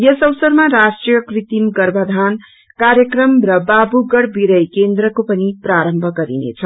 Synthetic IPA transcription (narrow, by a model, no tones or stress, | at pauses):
jʌsʌwʌsʌrmaɾasʈrijʌkrit̪imɡʌrbʱʌd̪ʱan | kaɾjʌkrʌmrʌbabuɡʌɽbiɾʌjkend̪rʌkopʌnipraɾʌmbʱʌɡʌɾḭnḛt͡sʰʌ